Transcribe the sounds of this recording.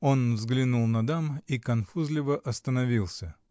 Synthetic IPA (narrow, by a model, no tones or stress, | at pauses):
o̞nvzɡlʲɪnulˠnɐd̪amikɐnfuzlʲɪvəʔɐst̪ənɐvʲilˠsʲə